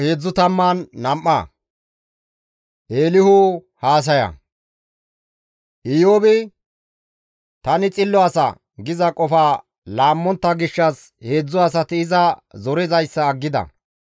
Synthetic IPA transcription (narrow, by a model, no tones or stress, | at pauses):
he̞ːd͡zːʊt̪ɐmːaːnːɐmʔːɐ̰ | ʔeːlɪhʊ | haːs̬ɐjɐ̰ | ʔɪjoːbɪ | t̪ɐnɪt͡sʼɪlːɔɐsɐ̰ | ɡɪzɐkʼɔfaː | laːmːɔnt̪ːɐɡɪʃːɐs | he̞ːd͡zːʊɐsɐt̪ɪɪzɐzɔɾɛzɐjsːɐːɡːɪd̪ɐ̰